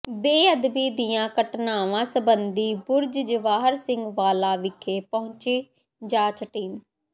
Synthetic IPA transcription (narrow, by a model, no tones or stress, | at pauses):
beːəd̪biːd̪ɪjãːkəʈnaːʋãːsəbənd̪iːbʊɾd͡ʒd͡ʒəʋaːɦəɾsɪ̃ŋɡʋaːlaːʋɪkʰeːpəɦʊ̃ɲt͡ʃiː | d͡ʒaːt͡ʃʈiːm